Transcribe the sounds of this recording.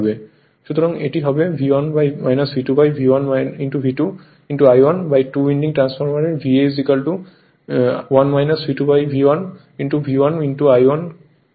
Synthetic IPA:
bɛ | ʃut̪ɔɹɔŋeʈiɦɔbɛbʱiwɔnbajmajnasbʱitubajbʱiwanaintubʱitu | inʈuajwɔnbajtuwinɖiŋʈɹanspʰɔɹmaɹɛbʱiezikalʈu | wanmajnasbʱitubajbʱiwan | inʈubʱiwanintuajwɔn

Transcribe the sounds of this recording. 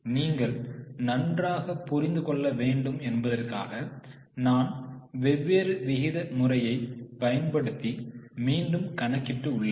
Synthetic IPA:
niːŋɡɐɭnɐndraːɣɐpːʊɾɪnd̪ɯkɔɭːɐʋeːɳɖɯmɛnbɐðɐrka̰ːɣɐ | naːnʋɛʋːeːɾɯʋɪɣɪðɐmʊrɐjɐɪpɐjɐnpɐɽɯt̪ːimiːɳɖɯmkɐnɐkːɪʈːɯʊɭːɐ

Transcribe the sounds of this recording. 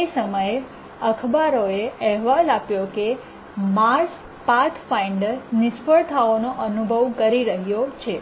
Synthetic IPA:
esəməje | əkʰbaɾoeɛɦʋalapjoke | maɾs | paɾt̪ʰfaiɳɖəɾnɪspəɭt̪ʰaonoʔənubʱəʋkəɾiɾəɦjot͡ʃʰe

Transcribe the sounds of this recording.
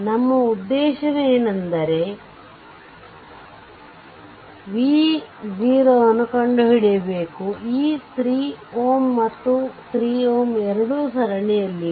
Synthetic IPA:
nɐmːɐud̪ːɛːʃɐneːnɐnd̪ɐɾe | ʋiːziːɾɐːɐnːukɐɳɖuɦiɽijɐbeːkuiːt̪ʰɾiːoːmːɐt̪ːut̪ɾiːoːmɛɾɐɽuːsɐɾɐɳɛjɐlːi

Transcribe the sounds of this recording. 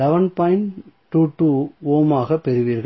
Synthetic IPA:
lɛʋɐnpɐɪnʈːuːʈːuːoːmaːɣɐpːɛɾɯʋiːɾɣɐ

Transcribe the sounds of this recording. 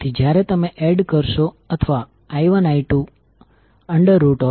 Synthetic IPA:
t̪ʰid͡ʒjaɾet̪əmeʔeɖkəɾʃo | ət̪ʰəʋa | ajʋənajʈu | əɳɖəɾːuʈɔ

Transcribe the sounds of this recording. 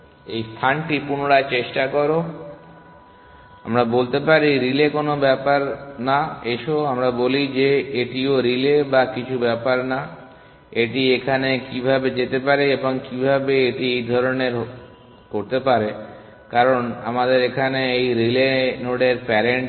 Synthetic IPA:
ejst̪ʰanʈipunoɽat͡ɕeʃʈakɔɾo | a̰mɾabolt̪epaɾiɾilekonobɛpaɾnaeʃoamɾabolid͡ʑeeʈioɾilebakit͡ɕʰubɛpaɾna | eʈiekʰanekibʱabed͡ʑet̪epaɾeeboŋkibʱabeeʈiejd̪ʱɔɾoneɾ | koɾt̪epaɾe | kaɾona̰mad̪eɾekʰaneejɾilenoɽeɾpɛɾeɳʈ

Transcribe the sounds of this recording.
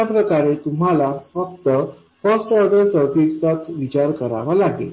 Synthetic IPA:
apɾəkaɾet̪um̤alafək̚t̪ə | fəsʈɔɾɖəɾsəɾkiʈsat͡sʋit͡ɕaɾkəɾa̰ʋalaɡḛl

